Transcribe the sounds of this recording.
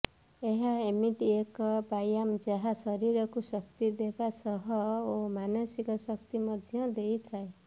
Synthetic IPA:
eɦaemiʈiekʌbajamd͡zaɦasʌɾiɾʌkusʌk̚t̪id̪ebasʌɦʌomanʌsikʌsʌkt̪imʌd̪ʱjʌd̪ejt̪ʰae

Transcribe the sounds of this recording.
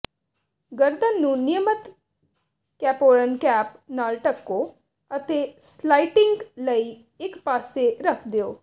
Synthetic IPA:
ɡəɾd̪ənːũːnɪjəmət̪ | kɛːpoːɾənkɛːpnaːlʈəkːo | ət̪eslaːiʈɪ̃ŋɡləiː | ɪkpaːseɾəkʰd̪eoː

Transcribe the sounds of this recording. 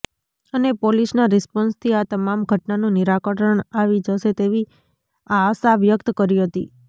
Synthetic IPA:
ənepolisnaɾɛspɔnst̪ʰiat̪əmamɡʱəʈnanũniɾakəʈəɳaʋid͡ʒəʃet̪eʋi | aːsaʋjək̚t̪kəɾiɦət̪i

